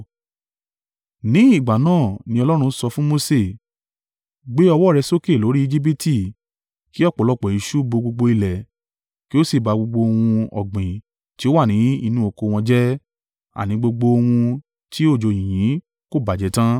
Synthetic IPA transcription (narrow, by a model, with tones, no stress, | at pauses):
nĩ˨˦i˦˨ɡ͡ba˨nãː˦˨nĩ˧ɔ˧lɔ˦ɾ̃ũ˧˦sɔ˧fũ˦mo˧se˦˨ | ɡ͡be˦ɔ˧wɔ˦˨ɾɛ˧so˦ke˦˨lo˨˦ɾi˦i˧d͡ʒi˦p̬i˦ti˦˨ | ki˦ɔ˦˨k͡pɔ˨lɔ˧˨k͡pɔ˨i˨˧ʃu˦bo˧ɡ͡bo˧ɡ͡bo˧i˧lɛ˨ | ki˦o˦si˦˨ba˧ɡ͡bo˧ɡ͡bo˧o˧wũ˧ɔ̰˨ɡ͡bĩ˨ | ti˦o˦wa˦˨nĩ˨˦i˧nũ˦o˨˧ko˧w̃ɔ̃˧d͡ʒɛ˦ | a̰˨nĩ˨˦ɡ͡bo˧ɡ͡bo˧o˧wũ˧ | ti˦o˦˨d͡ʒo˨j̃ĩ˨j̃ĩ˨˦ | ko˦˨ba˨d͡ʒɛ˨˦tã˦